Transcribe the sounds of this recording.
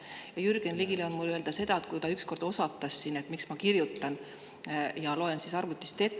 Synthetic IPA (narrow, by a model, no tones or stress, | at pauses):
jɑjyrɡ̥enliɡileonmuløeld̪ɑse̞d̪ɑet̪̚kut̪ɑyksko̞rd̪̥o̞sɑt̪ːˑɑsːine̞t̪miksmɑkirjut̪ːˑɑn | jɑlo̞e̞nsisɑrvut̪ːˑist̪e̞t̪ˑː